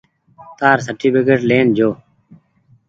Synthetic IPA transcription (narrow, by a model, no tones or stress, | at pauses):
t̪aːɾsəʈiːbɪkeːʈleːnd͡ʒʱoː